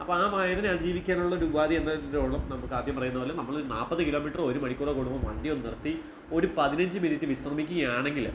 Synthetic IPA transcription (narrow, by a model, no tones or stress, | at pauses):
ɐpːoaːmaːjɐðɐnad͡ʑiːʋikʲːaːnuɭːɐoɾuubaːðie̞nːɐɾoːɭɐmnɐmːɐkːaːd̪jɐmpɐrɐjunɐpɐlɐnɐmːɐɭoɾunaːpːɐðɨkiloːmiːʈːro̞ɾumɐɽikʲːuɭɐkoɽumbɐmʋɐɳɖijonnːirɐt̪ːi | o̞ɾupɐðinɐɲd͡ʑɨminitːɨʋisrɐmikʲːuɣɐjaːɳe̞ŋɡil